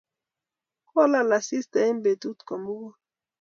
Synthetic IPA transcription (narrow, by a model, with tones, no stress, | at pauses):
kɔ˦la˦la˨si˦st̪a˨i˦mbe˨t̪u˦t̪kɔ˨mu˦wɔ˦